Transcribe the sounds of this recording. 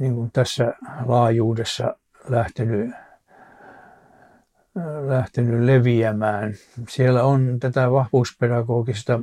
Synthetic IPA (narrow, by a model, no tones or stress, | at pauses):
niŋkunt̪æsːælɑːjuːdesːɑ̰ | læht̪eny | læht̪enyleʋiæmæːn | sielːæont̪æt̪æʋɑhʋuːspedɑɡoːkist̪ɑ